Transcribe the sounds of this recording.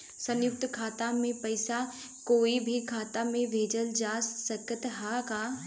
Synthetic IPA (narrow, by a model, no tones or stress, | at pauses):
sɐ̃njʊk̚t̪kʰaːt̪amẽpɐɪsa | koːibʱikʰaːt̪amẽbʱeːd͡ʒəld͡ʒaːssəkət̪ɦakaː